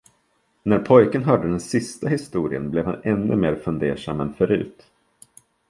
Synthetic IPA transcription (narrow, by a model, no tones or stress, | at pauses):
næɾpʰɔjkənɦœːɖəd̪ɛnsɪst̪aɦɪst̪uːɾɪənblɛvhanɛnːɵ̰meːɾfɵnd̪eːʂa̰mːɛnfœɾʉ̟̰ːt̪